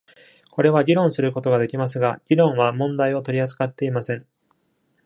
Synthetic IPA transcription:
ko̞ɾe̞β̞aɡʲiɾõ̞ɰ̃sɨɾɯ̟ko̞t̪o̞ɡad̪e̞kʲimas̬ɨɡaɡ̥ʲiɾõ̞ɰ̃βamõ̞nd̪aio̞t̪o̞ɾʲiat͡sɨ̥kat̪ːe̞imasẽ̞ɴ

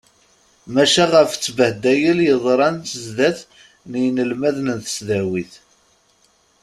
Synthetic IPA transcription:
mæʃæʁəft͡sːbəhd̪æjəljəðˤɾˤɑnt͡səzðæθ | nijnəlmæðnənt̪ə̥sðæwiθ

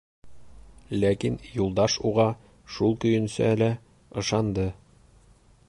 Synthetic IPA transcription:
lækinjulˠd̪ɑʃuʁɑ | ʃulˠkɵ̆jɵ̆nsæ̰ælæ | ɤ̆ʃɑnd̪ɤ

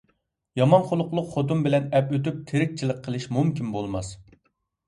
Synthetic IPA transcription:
jɑmɑnχolˠʊqlˠʊqχot̪umbɪlɛnɛpøt̪yp̚t̪ʰeɾɪk̚ʲt͡ʃʰilˠəqʰːəlˠɪʃmumkʲinbolˠmɑs

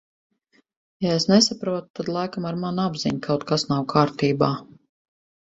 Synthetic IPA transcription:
jaesnesapɾuɔt̪t̪ːad̪lˠajkamaɾmanabziɲkʰawt̪kasnawkʰaːɾt̪iːbaː

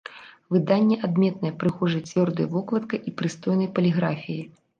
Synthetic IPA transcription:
vɨd̪anʲːɛʔad̪mʲɛt̪̚nɐjɛpɾɨxɔʐɨt͡sʲvʲɔrd̪ɐjɐvɔklˠɐt̪kɐjʔipɾɨst̪ɔjnɐjpɐlʲiɣɾafʲiji

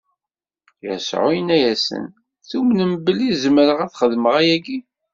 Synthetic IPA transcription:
jə̰sʕʊ̰jənæjæsə̰n | θumnəmbəlːizmɾəʁæθχəðməʁæjæɡi

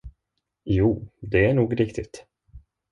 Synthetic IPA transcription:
juːd̪ɛæɳuːɡɾɪkt̪ɪt̪

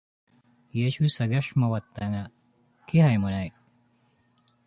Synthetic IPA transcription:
jeɕusɐɡɐʂmɐwɐt̪ːɐŋa | kiɦɐjmɐnɐj

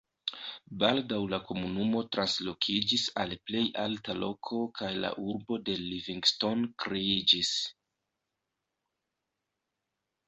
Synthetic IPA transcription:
baldawlako̞munumo̞tɾanslo̞kʰid͡ʒisalple̞jʔaltalo̞kʰo̞kʰajla̰ʔuɾbo̞de̞liviŋɡsto̞nkɾeid͡ʒis

